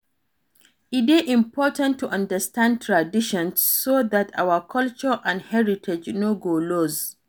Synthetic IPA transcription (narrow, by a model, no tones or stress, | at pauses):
ʔɪtɪʔɪ̃mpɔːtãntʰːuʔɐ̃ndɐstʰãnd̚tʰɹadɪʃɔ̃nssoðata̰wɐkʰʌlt͡ʃɔɹʔãnhɛɹitʰɛd͡ʒnoɡoːloz